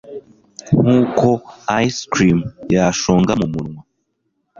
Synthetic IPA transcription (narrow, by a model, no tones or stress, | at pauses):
ŋ̥uːko̞ajiskɾimjaaʃoːŋɡamumuɾŋwa